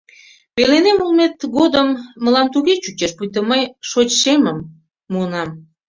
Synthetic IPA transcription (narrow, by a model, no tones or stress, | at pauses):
pelenemulmet̪ɣod̪əmːəlɑmt̪uɣet͡ɕut͡ɕeʃpujt̪̬əməjʃot͡ɕʃeməmː | uənɑm